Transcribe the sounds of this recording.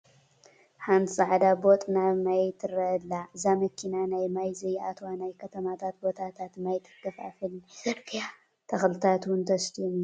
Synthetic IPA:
ħant̪ʰɨsʼaʕd̪abo̞t̪ʼnamajt̪ʰɨɾɐlːaʔɨzamɐkʰinanajmajzɐjʔat̪ʰwanajkʰɐt̪ʰɐmat̪ʰat̪̚bo̞t̪ʰat̪ʰat̪majt̪ʰɨ̥kʰːɐfa̰fɨl | t̪ʰɐxlɨt̪ʰat̪wʊnt̪ʰɐst̪ʰim

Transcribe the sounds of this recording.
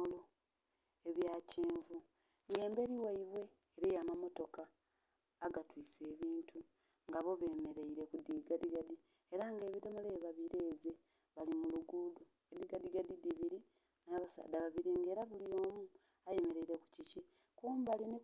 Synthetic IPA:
lo | eβjaːciːɱvu | ŋɡe̞ːmbe̞ɾiwaiβwe̞ːɾejamamo̞to̞kaː | ɡatwiːse̞ːβiːntʰu | ŋɡaβo̞βe̞ːme̞ɾe̞iɾe̞kudiːɡadiɡadi | eɾaŋɡe̞ːβidomoleːβaβiɾe̞ːze̞ | βalimuluɡudu | ediɡadiɡadidiβiɾi | naːβasa̰ːd̪aβaβiɾeŋɡe̞ːɾaβulio̞ːmu | aje̞me̞ɾe̞iɾe̞ku̥cici | kuːmbaline

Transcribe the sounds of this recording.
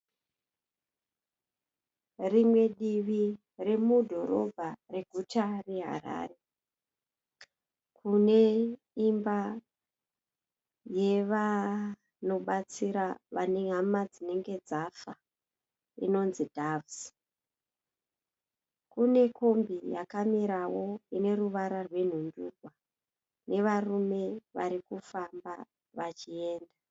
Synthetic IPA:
rimwe̞ɗiʋi | re̞mudʱo̞ɾo̞̰bʱare̞ɡʱutare̞ɦa̰ɾa̰ːre̞ | kʰune̞ | imba | je̞ʋa | no̞ɓat͡siɾaʋaneɦamad͡zine̞ŋɡe̞d͡zafa | ḭno̞nzidʱavs | kune̞ko̞mbijakamiɾawo̞ine̞ruʋaɾarwe̞n̤unduɡʱwa | nʔe̞ʋarume̞ʋaɾikufamba | ʋat͡ʃie̞ːnda

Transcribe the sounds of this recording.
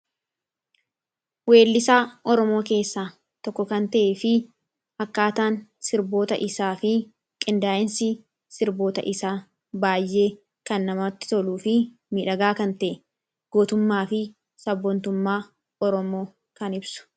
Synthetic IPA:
we̞ːlːɪsaːʔɔɾɔmo̞ːke̞ːsːaː | t̪ɔkːɔkɐnt̪ɐʔeːfɪ | hɐkːaːt̪aːnsɪɾbo̞ːt̪ɐ̰ʔɪsaːfɪ | kʼɪnd̪aːʔɪnsɪ | sɪɾbo̞ːt̪ɐ̰ʔɪsaː | baːjʔːe̞ː | kɐnːɐmɐt̪ːɪ̥t̪ɔluːfɪ | miːᶑɐɡaːkɐnt̪ɐʔɛ | ɡ̥oːt̪ʊmːaːfɪ | sɐbːɔnt̪ʊmːaː | ɔɾɔmo̞ː | kɐnɪbsʊ̥

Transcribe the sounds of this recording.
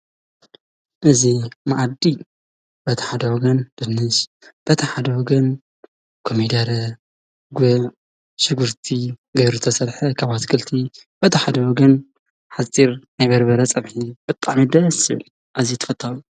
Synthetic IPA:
ʔɨzimaʔad̪i | b̥ɐt̪ʰɐħad̪ɐwɔɡɐnd̪̥ɨnːɨs | b̥ɐt̪ʰɐħad̪ɐwɔɡɐn | kʰomid̪ɐɾɐ | ɡʷɛ | ʃɨɡuɾt̪ʰiɡɐjɾut̪ʰɐsɐlħɐkʰaβat̪kʰɨlt̪ʰib̥ɐt̪ʰɐħad̪ɐwɔɡɐn | ħat͡sʼiɾnajbɐɾbɐɾɐt͡sʼɐβħib̥ɨt̪ʼaʕmid̪ɐjɐsɨ̰l | ʔazit̪ʰɐ̥fɐt̪ʼʰːalu

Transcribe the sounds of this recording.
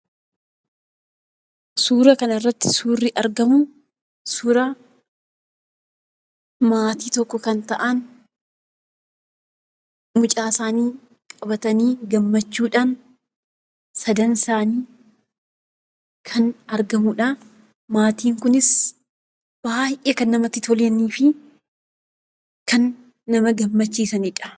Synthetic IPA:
suːɾɐkɐnɪrːɐt̪ːɪ̥suːrːɪʔɐɾɡɐmʊ | suːɾɐ | maːt̪iːt̪ɔkːɔkɐnt̪ɐʔɐn | mʊt͡ʃʼaːsaːniː | kʼɐbɐt̪ɐniːɡɐmːɐt͡ʃːuːᶑaːn | sɐd̪ɐnsaːniː | kʰɐnɐɾɡɐmʊᶑa | maːt̪iːŋkʊnɪs | b̥aːjʔeːkɐnːɐmɐt̪ːɪt̪ʰɔljɐniːfɪ | kɐnː | ɐmɐɡɐmːɐt͡ʃːiːsɐnɪᶑɐ̥

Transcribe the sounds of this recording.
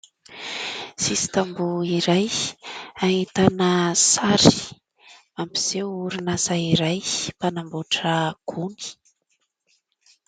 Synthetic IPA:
sisi̥t̪ambuiɾaj | ait̪anəsaɾi̥ | ampiz̥ewuɾunazaiɾajpanambuʈ͡ʂəɡ̥uni̥

